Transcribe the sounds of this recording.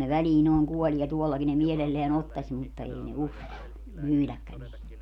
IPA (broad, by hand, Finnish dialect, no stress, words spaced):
ne ʋæliː noːŋ kuolʲie tuolːɑki ne mielelːeæn otːɑsʲ mutːɑ ei ne uskɑlːɑ myːlækːæn ei